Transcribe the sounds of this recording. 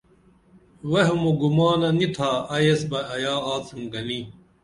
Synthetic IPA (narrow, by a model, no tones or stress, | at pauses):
weɦumuɡumaːnɐnit̪ʰaːɐjesbɐɐjaːaːt͡simɡɐni